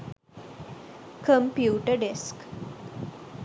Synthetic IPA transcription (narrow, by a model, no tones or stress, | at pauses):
kəmpjuʈəɖesk